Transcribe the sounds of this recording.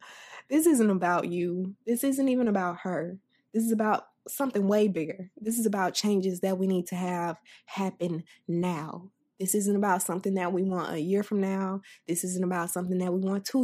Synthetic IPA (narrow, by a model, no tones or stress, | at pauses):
ðɪsɪzɨ̃nəbaʊt͡ʃɨðɪsɪzɨ̃ntivɨ̃nɨbaʊt̚hə˞ | ðɪs̬ɨzɨbaʊt̚ | sʌ̃mθɪ̃ŋweɪbɪɡə˞ðɪs̬ɨzɨbaʊt̚t͡ʃʰẽɪ̃nd͡ʒɨzðɨt̚winid̚tʰɨːv̥hæpɨ̃nːaʊ | ðɪsɪzɨ̃n̩əbaʊtsʌ̃mθɪ̃ŋðɨt̚wiwɑ̃ntɨ̰jɪɹfɹʌ̃mnaʊðɪsɪzɨ̃n̩əbaʊtsʌ̃mθɪ̃ŋðɨt̚wiwɑ̃ntʰə